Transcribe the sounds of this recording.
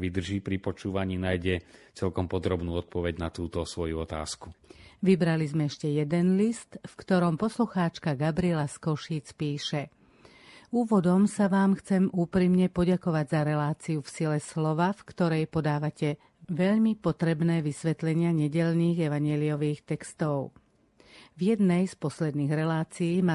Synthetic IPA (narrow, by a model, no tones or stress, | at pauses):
ʋid̪r̩ʒiːpɾipɔt͡ʃuːʋaɲiːnajɟɛt͡sɛlkɔmpɔd̪ɾɔbnuːɔt̪̚pɔʋɛɟnat̪uːt̪ɔsʋɔjuɔt̪a̰ːskuʋibɾalizmɛɛʃcɛjɛd̪ɛnlist̪fkt̪ɔɾɔmpɔsluxaːt͡ʃkaɡabɾiɛlaskɔʃiːt͡spiːʃɛ | uːʋɔd̪ɔmsaʋaːmxt͡sɛmuːpɾimɲɛpɔɟakɔʋaɟzaɾɛlaːt͡siufsilɛslɔʋafkt̪ɔɾɛjpɔd̪aːʋacɛ | ʋɛʎmipɔt̪ɾɛbnɛːʋisʋɛt̪lɛɲɪaɲɛɟɛʎniːɣɛʋaɲɪɛliɔʋiːxt̪ɛkst̪ɔʊ | ʋjɛd̪nɛjspɔslɛd̪niːɣɾɛlaːt͡siiːma